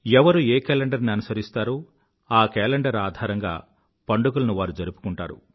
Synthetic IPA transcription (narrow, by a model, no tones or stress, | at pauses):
ɛʋɐɾueːkɛːleɳɖɐɾniɐnusɐɾist̪aːɾoː | aːkɛːleɳɖɐɾaːd̪ʱaːɾɐŋɡa̰ː | pɐɳɖuɡɐlɐnuʋaːɾud͡ʒɐɾupu̥kuɳʈaːɾṵ